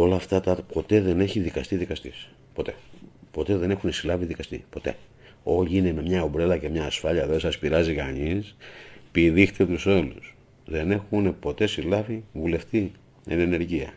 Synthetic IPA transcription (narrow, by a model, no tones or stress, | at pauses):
o̞lɐːft̪ɐt̪ɐpo̞t̪e̞ðe̞ne̞çiðikɐst̪iðikɐst̪is | po̞t̪e̞po̞t̪e̞ðe̞ne̞xunesilɐviðikɐst̪ḭpo̞t̪e̞̰ | o̞ʎiine̞me̞mɲɐobɾe̞lɐce̞mɲɐːsfɐʎɐðesɐspiɾɐzikɐɲispiðixt̪et̪uso̞lus | ðe̞ne̞xune̞po̞t̪e̞silɐvivule̞ft̪i | ḛne̞ne̞ɾʝiɐ̰